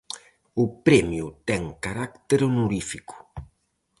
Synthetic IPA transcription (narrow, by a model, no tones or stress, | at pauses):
ʊpɾɛmjut̪ɛŋkaɾakt̪eɾonuɾifiku̥